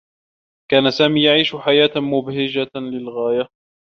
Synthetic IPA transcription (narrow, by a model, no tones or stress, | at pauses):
kaːnasaːmiːjaʕiːʃʊħajaːt̪mʊbhɪd͡ʒalɪlɣaːja